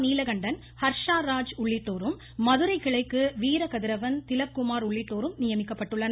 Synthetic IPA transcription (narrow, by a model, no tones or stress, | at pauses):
niːlɐɣɐɳɖɐn | hɐɾʂaːɾaːd͡ʒʊɭːɪʈːoːɾɯmː | ɐðɯɾɐɪɣɐɭɐɪkːɯʋiːɾɐkɐðɪɾɐʋɐnt̪ɪlɐp̚kːʊmaːɾʊɭːɪʈːoːɾɯmnɪjɐmɪkːɐpːɐʈːɯɭːɐn